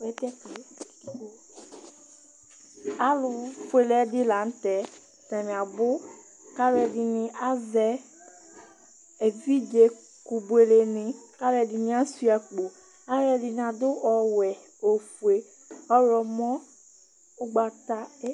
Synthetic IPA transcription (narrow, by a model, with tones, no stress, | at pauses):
wɛ˨tɛ˦k | a˦lʊ˨fu˨e˨lɛ˨˦dɪ˦la˨n̩˦tɛ˨˦ | ta˨mĩ˨a˨bʊ˦ | ka˦lɛ˨dɪ˨nɪ̃˨ʔa˦zɛ˨ | e˨vi˦d͡ʒe˨ | ku˨bu˨e˨le˨nɪ̃˨ka˦lɛ˨dɪ˨ni˦a˦si˦a˨k͡po˨ | a˦ɾɛ˨dɪ˨n˨a˨dʊ˦ʔɔ˨wɛ˨ | o˨fu˨e˨ | ɔ˦ɾɔ˨mɔ̃˦ | ʊ˦ɡ͡ba˨ta˦